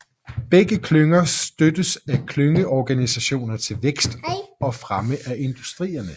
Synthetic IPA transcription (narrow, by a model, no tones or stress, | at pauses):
b̥eɡ̥əkʰløŋɐsd̥ød̥əsækʰløŋəʔɒɡ̥ænisæɕo̝̰ːnɐt͡sʰe̝lʋeɡ̥sd̥ɒ̽fʁaməʔæʔe̝nd̥usd̥ʁḭːɐnə